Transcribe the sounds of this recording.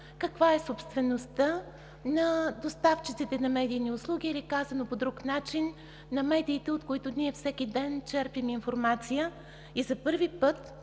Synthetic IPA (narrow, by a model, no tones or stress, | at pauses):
kɐkvaɛsopst̪vɛnost̪ə | nɐd̪ost̪aft͡ʃit̪sit̪ɛnɐmɛd̪ijniʊslˠuɡʲiɛlʲikazɐnopod̪ɾuknat͡ʃinː | ɐmɛd̪iːt̪ɛot̪koit̪ʊniɛfsɛkʲid̪ɛnt͡ʃɛɾpiminfoɾmat̪sijə | izɐpɤɾvipɤt̪